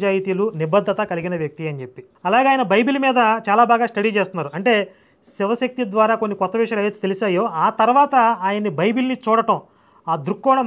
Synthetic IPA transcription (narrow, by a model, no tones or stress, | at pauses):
d͡ʒaːjit̪ilunibɐd̪ʱːɐt̪ɐkɐliɡinɐʋjɐk̚t̪iɐnit͡ʃepːi | ɐlaːɡeaːjɐnɐbɐjbilumiːd̪ɐt͡ʃaːlaːbaːɡaːsʈɐɽiːt͡ʃeːst̪unːaːɾuɐɳʈe̞ː | siʋɐsɐk̚t̪id̪ʋaːɾaːkonːikɔt̪ːɐʋiʂɐlɐjt̪et̪elisaːjo̞ːaːt̪ɐɾʋaːt̪ɐaːjɐnːibɐjbilnit͡ʃuːɽɐʈɐm | aːd̪ɾukːɔːɳɐm